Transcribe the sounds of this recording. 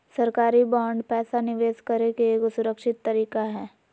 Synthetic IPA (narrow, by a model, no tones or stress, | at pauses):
sɐɾkaːɾibaːɳɖpɛːsanɪʋeːskɐɾekeeːksʊɾəkʃɪt̪ːɐɾiːkaɦɛː